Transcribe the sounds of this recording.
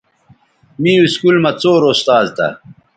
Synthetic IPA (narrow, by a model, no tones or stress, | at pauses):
miːiskulmɐt͡soːɾoːst̪aːzt̪ɐ̰